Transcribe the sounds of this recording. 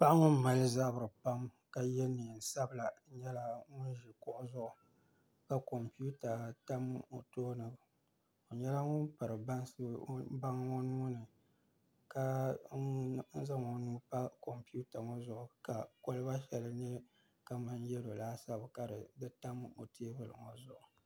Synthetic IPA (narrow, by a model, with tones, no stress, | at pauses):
pa˦ʔŋʊ˦ma˨lɨ˦za˦bɨ˨ɾɨ˨pa˦m | ka˨jɛ˦ni˨n̩˨sa˦bɨ˨la˨˦ɲɛ˦la˦ŋʊ˦n˦ʒi˨kʊ˦ʔʊ˦zʊ˦ʔʊ˨ | ka˨ko˨mpi˦u˦ta˨ta˦m˦o˨toː˦nɨ˨ | o˨ɲɛ˦la˦ŋʊ˦npɨ˨ɾɨ˨ba˦ŋsba˦ŋ˦ŋɔ˦nuː˦nɨ˨ | ka˦ | n̩˦za˦ŋɔ˨nuː˦pa˦ko˨mpu˦ta˨ŋɔ˦zʊ˦˨ʔʊ˨ka˨ko˦lɨ˦ba˦ʃɛ˨lɨ˦nɛ˦ | ka˨ma˦njɛ˦do˨laː˦sa˦bka˨dɨ˨dɨ˦ta˦mo̰˨tʰe˦bɨ˨lɨ̰˨ŋɔ˦zʊ˦˨ʔʊ˨